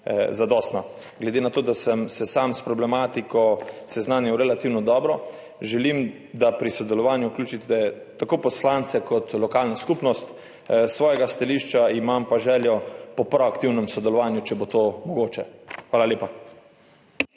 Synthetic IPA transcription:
zad̪ɔːst̪na | ɡlɛd̪enat̪oːd̪asəmsɛsamspɾɔblɛmaːt̪ikɔsɛznaːnjɛwɾɛlat̪iːwnɔd̪ɔːbɾɔ | ʒɛlim | d̪apɾisɔd̪ɛlɔʋaːnjuuklʲuːt͡ʃit̪ɛ | t̪akoːpɔslant̪sɛkʰɔt̪lɔkaːlnaskupnɔst̪ | sʋɔːjɛɡast̪aliʃt͡ʃaimampaʒɛːljɔpɔpɾɔakt̪iwnɛmsɔd̪ɛlɔʋaːnjut͡ʃɛbot̪oːmɔɡoːt͡ʃɛxʋaːlalʲeːpa

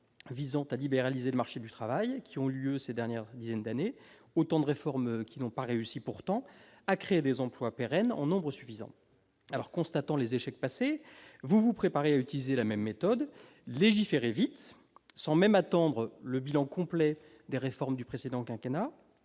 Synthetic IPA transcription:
vizɑ̃t̪alibeʁalizeləmaʁʃed̪yt̪χavajkʲiɔ̃ljøsed̪ɛʁnjɛʁd̪izɛnd̪ane | ot̪ɑ̃d̪əʁefɔʁmkʲinɔ̃paʁeysipuʁt̪ɑ̃ | akχeːd̪ezɑ̃plwapeʁɛnɑ̰̃nɔ̃bʁəsyfizɑ̰̃ | alɔʁkɔ̃st̪at̪ɑ̃lezeʃɛk̚pasevuvupχepaʁeayt̪ilizelamɛmːet̪ɔd̪ | leʒifeʁevit̪ | sɑ̃mɛmat̪ɑ̃d̪ʁələbilɑ̃kɔ̃plɛ | d̪eʁefɔʁmd̪ypχesed̪ɑ̃kɛ̃kena

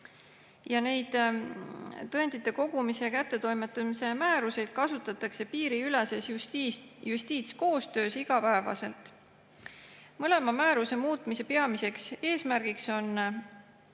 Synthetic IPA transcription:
jɑne̞jd̪̥ | t̪ːɤent̪it̪ːˑe̞ko̞ɡ̥umisekæt̪ːe̞t̪o̞jmet̪ːˑɑmise̞mæːɾuse̞jd̪̥̚kɑsut̪ːˑɑt̪ːˑɑkse̞piːɾiyle̞se̞s | just̪iːt̪sko̞ːst̪ø̞ːsiɡ̥ɑpæevɑ̰se̞lt̪ˑ | mɤle̞mɑmæːɾuse̞muːt̪ˑmise̞pe̞ɑmise̞kse̞ːsmærɡ̥ikso̞n

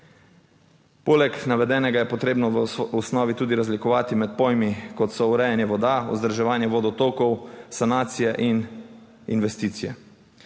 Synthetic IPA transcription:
poːlɛknaʋɛd̪ɛːnɛɡajɛpɔt̪ɾeːbnɔʋusnɔːʋit̪uːd̪iɾazlikɔʋaːt̪imɛt̪̚pojmikɔt̪sɔuɾɛjanjɛʋɔd̪aṵzd̪ɾʒɛʋaːnjɛʋoːd̪ɔt̪oːkɔwsanaːt̪sijɛʔin | inʋɛst̪iːt̪sijɛ

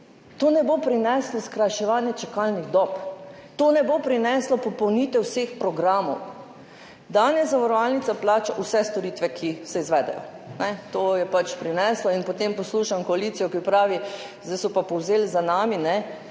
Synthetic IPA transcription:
t̪onɛbopɾinɛslɔskɾajʃɛʋaːnjɛt͡ʃɛkalniɣd̪ɔpt̪oːnɛbopɾinɛslɔpɔpɔwniːt̪ʋɛwsexpɾɔɡɾaːmɔ̰w | d̪anjɛzaʋaɾɔʋalnit̪saplaːt͡ʃaʔusɛst̪ɔɾiːt̪ʋɛkʰisɛizʋɛːd̪ɛ̰jɔ̰ | nɛt̪ojɛpat͡ʃpɾinɛslɔinpot̪empɔsluʃamkɔaliːt̪sijɔkipɾaːʋi | zd̪ajsɔpapɔwzelzanaːminɛ

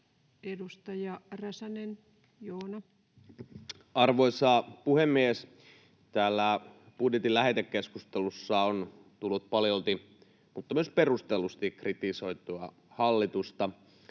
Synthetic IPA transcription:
edust̪ɑjɑræsænen | joːnɑ | ɑrʋoisɑːpuhemːies | t̪æːlːæ | b̥udjet̪ilæhet̪ekːeskust̪elusːɑon | t̪ulːut̪̚pɑljolt̪i | mut̪ːɑmyøsperust̪elust̪ikrit̪isoit̪uɑ | hɑlːit̪ust̪ɑ

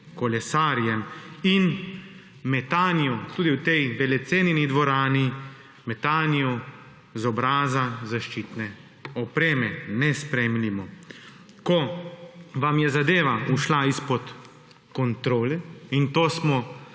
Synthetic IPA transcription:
kɔlɛsaːɾjɛmin | mɛt̪aːnijɔt̪uːd̪iwt̪ɛjʋɛlɛt̪seːninid̪ʋɔɾaːni | mɛt̪aːnijɔ | zɔbɾaːzazaʃt͡ʃiːt̪nɛ | ɔpɾeːmɛnɛspɾɛmnimɔ | kɔ | ʋamjɛzad̪eːʋauʃlaispɔt̪ | kɔnt̪ɾoːlɛint̪oːsmɔ

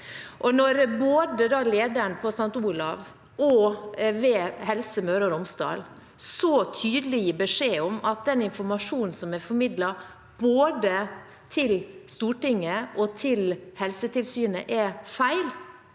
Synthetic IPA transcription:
ʔɔnɔɾboːd̪əd̪ɑleːd̪əɳəpʰɔsɑŋt̪uːlɑ̰ʋ | ɔʋɛːhɛlsəmøːɾɑɾɔmsd̪ɑ̰ːl | sɔt̪ʰyːd̪əlɪəbəʂeːɔmɑt̪̚d̪ɛnɪnfɔɾmɑʂuːnn̩sɔmɛfɔɾmɪd̪lɑ | b̥oːd̪ə | t̪ʰɪlst̪uːʈɪŋːəʔɔt̪ʰɪlhɛlsət̪ʰɪlsyːnə̰ʔɛfæɪl

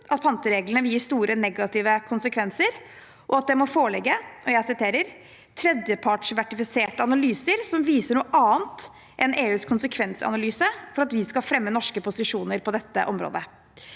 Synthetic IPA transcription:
ʔɑt̪̚pʰɑnt̪əɾeːɡləɳəʋːst̪uːɾʔənɛɡɑt̪ɪːʋəkʰʊnsəkʰʋɛnsəɾ | ʔɔɑt̪̚d̪ɛmɔfoːɭɛɡːəɔjæɪsɪt̪ʰeːɾəɾ | t̪ʰɾɛd̪jəpʰɑʈʂʋæʈɪfɪseːʈəɑnɑlyːsəɾsɔmʋiːsəɳuːəʔɑːənt̪ | ʔɛnʔeːʉːskʰʊnsəkʰʋɛnsɑ̰nɑlyːsəfɔɾɑt̪ʋɪskɑfɾɛmːənɔʂkəpʊsɪʂuːnəɾpɔd̪ɛt̪ːə̰ʔɔmɾo̰ːd̪ə

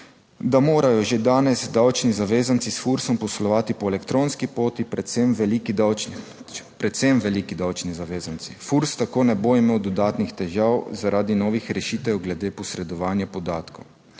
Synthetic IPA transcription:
d̪amoːɾajɔʒed̪aːnɛzd̪awt͡ʃnizaʋeːzant̪sisfuɾsɔmpɔslɔʋaːt̪ipɔelɛkt̪ɾoːnskipoːt̪ipɛt̪semʋɛlikd̪w | pɾɛt̪sɛmʋɛlikid̪awt͡ʃnizaʋeːzantsifuɾst̪akoːnɛboimeːwd̪ɔd̪aːt̪nixt̪ɛʒawzaɾaːd̪inɔːʋixɾɛʃiːt̪ɛwɡlɛd̪eːpɔsɾɛd̪ɔʋaːnjapɔd̪aːt̪kow

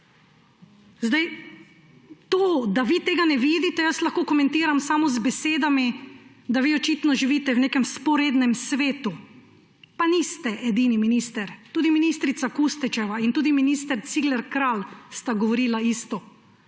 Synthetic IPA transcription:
zd̪aj | t̪od̪aʋit̪eːɡanɛʋiːd̪it̪ɛjəslaxkoːkɔmɛ̃nt̪iːɾamsamɔzbɛseːd̪ami | d̪aʋiːɔt͡ʃit̪nɔʒiʋiːt̪ɛwneːkɛmspɔɾeːd̪nɛmsʋeːt̪u | panist̪ɛʔɛd̪iːniminist̪ɛɾt̪uːd̪iminiːst̪ɾit̪sakust̪ɛt͡ʃɛʋaint̪uːd̪iminiːst̪ɛɾt̪siɡlɛɾkɾalst̪aɡɔʋɔɾiːlaist̪ɔ

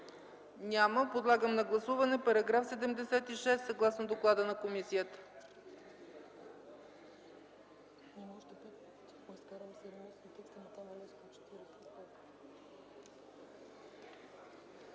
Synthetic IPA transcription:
nʲaməpod̪lˠaɡəmnɐɡlˠɐsuvɐnɛpɐɾɐɡɾafsɛd̪ɛmd̪ɛsɛt̪iʃɛst̪sɐɡlˠasnod̪oklˠad̪ənɐkomisijət̪ə̥ | nmɔʃt̪ɛpɛ | skaɾəmsɛɾmɛsnit̪ɛkst̪ənɐt̪amɐnɛsk̪ot͡ʃɛ̥t̪iɾɛsɛɛt̪

